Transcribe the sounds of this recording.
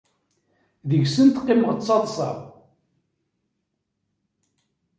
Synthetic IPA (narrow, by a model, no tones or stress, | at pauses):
ðəʝsənt̪qːɪməʁt͡sːɑðˤsˤɑ̰ʁˤ